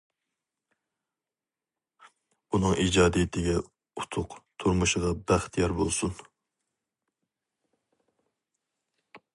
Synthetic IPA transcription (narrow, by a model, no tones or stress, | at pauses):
unɨŋʔid͡ʒɑːd̪ijɪt̪ʰɪɡʲɛ | ut̪ʰʊqt̪ʰuɾmuʃʁɑbæχt̪ʰijɑɾbolˠsun